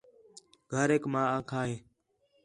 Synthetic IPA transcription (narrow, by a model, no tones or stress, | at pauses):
ɡʱəɾeːkmãːaːkʰaːɦeː